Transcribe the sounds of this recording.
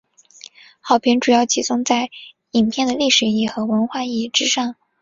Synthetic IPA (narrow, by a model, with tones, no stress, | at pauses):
xɑ˨˩ʊpʰi˧˥ŋʈ͡ʂu˨˩jɑ˥˩ʊt͡ɕʰi˧˥sʊ˥ŋt͡sa˥˩ɪ | i˨˩npʰjɛ˥˩nd̪ə˩li˥˩ʂɻ̩˨˩i˥˩xɤ˧˥wə˧˥nxwa˥˧i˥˩ʈ͡ʂɻ̩˥ʂɑ˥˩ŋ